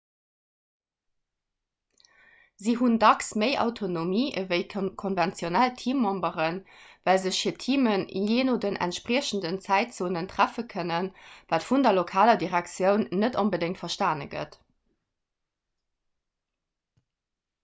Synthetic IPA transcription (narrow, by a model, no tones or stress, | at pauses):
ziɦundɑksməɪʔɑ̰ʊtʰonomiːəvəɪkʰonvɛnt͡sjonæltʰiːmːɑmbəʁənvælzəɕfiːɐtʰiːmənḭjeːnodənʔæ̰ntʃpʁiːɕən̩dənt͡sæɪtt͡soːnəntʁ̥æfəkʰənənvaːtfundɐlokʰaːlɐdiʁæk̚t͡sjəʊnːətonbədɪŋtfɐʃtaːnə̰ɡə̰t